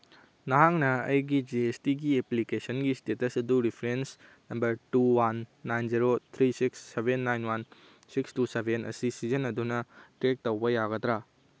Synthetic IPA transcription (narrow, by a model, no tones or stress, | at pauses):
nɐɦaŋnɐɐjɡid͡ʒiestiɡieplikesɐnɡistetɐsɐduɾipʰɾens | nɐmbɐɾtuwanːajnziɾot̪ʰɾisiksːebenːajnwan | sikstusebʱenɐ̰sisizɐnɐdunɐʈɾek̚tɐwbɐjaɡɐtɾa